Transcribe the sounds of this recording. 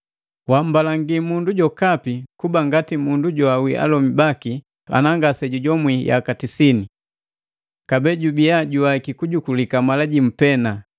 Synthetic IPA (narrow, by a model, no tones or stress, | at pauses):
wam̩balaŋɡimunduɟɔkapikubaŋɡatimunduɟɔawiʔa̰lɔmibaki | a̰naŋɡasɛɟuɟɔmwija̰katisini | kabɛɟubiaɟuaikikuɟukulikamalaɟim̩pɛna